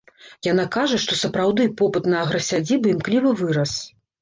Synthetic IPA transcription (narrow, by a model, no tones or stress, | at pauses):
janakaʐɐʂt̪ɔsɐpɾawd̪ɨpɔpɨt̪nɐːɣɾɐsʲad͡zʲibɨimklʲivɨvɨɾɐs